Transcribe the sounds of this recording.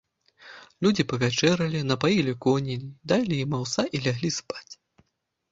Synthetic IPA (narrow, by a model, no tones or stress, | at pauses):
lʲud͡zʲipɐvʲat͡ʂɛɾɐlʲinɐpajilʲikɔnʲilʲid̪alʲijimawsaʔilʲaɣlʲispḁt͡sʲ